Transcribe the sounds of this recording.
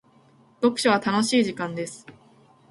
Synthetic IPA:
d̪̥o̞kɯ̟ɕaβ̞at̪ano̞ɕiːʑikãnd̪e̞sɨ̥

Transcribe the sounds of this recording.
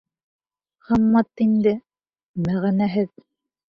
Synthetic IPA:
χɑmːɑt̪ind̪ɘ | mæʁænæɦɘð

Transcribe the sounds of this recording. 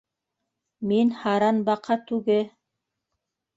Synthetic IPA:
minhɑɾɑnbɑqʰɑt̪ʉɡɘ

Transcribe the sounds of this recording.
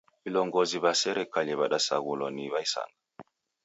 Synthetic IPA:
ɓilɔŋɡoziβasɛɾɛkalɛβaɗasa̰ɡulɔniβajsa̰na

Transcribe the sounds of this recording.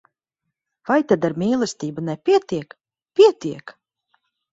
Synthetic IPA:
vajt̪ad̪aɾmʲiːlˠɛsʲt̪iːbunɛpʲiɛt̪iɛk | pʲiɛt̪iɛk

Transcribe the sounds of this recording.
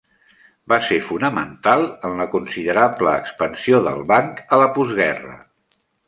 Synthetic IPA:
basefunəmənt̪alˠənləkunsiðəɾabləːkspənsioðə̰lˠβaŋkələpuzɣɛrə̰

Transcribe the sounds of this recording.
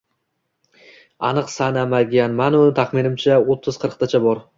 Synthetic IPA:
ɑ̰nɨqsanamalɡʲanmanʊnt̪ʰaqmɪnɪmt͡ʃʰaot̪ʰːɪz̥qʰɨɾq̚t̪ʰat͡ʃʰabɒɾ

